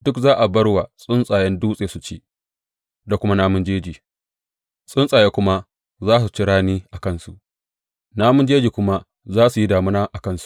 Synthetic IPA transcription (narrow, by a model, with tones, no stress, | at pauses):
d̥ʊ˦kzaː˦ʔa˨bɐ˦ɽwa˨sʼʊ˦nsʼaː˨jɛ˦nduː˦sʼeː˨su˨t͡ʃeː˦ | da˨kʷʊ˦ma˦naː˦mʊ˦nd͡ʒeː˦d͡ʒiː˨ | sʼɪ˦nsʼaː˨jeː˦kʷʊ˦ma˦ | zaː˦s̬u˨t͡ʃɪ˦ɽaː˦niː˦ʔa˨kɐ˦˨nsu˨ʔ | naː˦mʊ˦nd͡ʒeː˦d͡ʒiː˨kʷʊ˦ma˦ | zaː˦su˨ji˦daː˨mʊ˦naː˦ʔa˨kɐ˦˨nsu̥˨ʔ